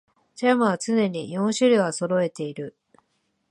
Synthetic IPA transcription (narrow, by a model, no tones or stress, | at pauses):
t͡ɕamɯβat͡sɨne̞ɲ̟ijõ̞ɰ̃ɕɨɾʲɯβaso̞ɾo̞e̞t̪e̞iɾɯ̟